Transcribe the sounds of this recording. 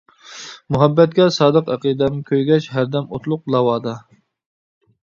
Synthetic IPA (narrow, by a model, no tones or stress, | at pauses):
muɦɛbːɛt̪̚kʲɛsɑːd̪əqæqid̪ɛmɪkʲʰøjɡʲɛt͡ʃɦæɾd̪ɛmot̪lˠʊq̚lˠɑwɑːd̪ɑ